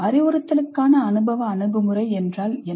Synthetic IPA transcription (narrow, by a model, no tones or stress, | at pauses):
ɐɾɪʋɯɾɐt̪ːɐlɯkːaːnɐːnɯbɐʋɐːnɯbɯmɯrɐɪɛndraːlɛ